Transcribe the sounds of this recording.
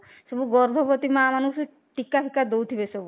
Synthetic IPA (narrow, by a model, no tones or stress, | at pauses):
sɔbuɡɔɾd̪ʱɔpɔt̪imaːmanus | ʈikapʰikad̪owt̪ʰibesɔbu